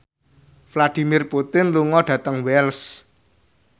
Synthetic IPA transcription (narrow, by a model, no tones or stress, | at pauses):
flad̪̥i̤mirput̪ɪnluŋɔɖ̥ä̤t̪əŋwɛls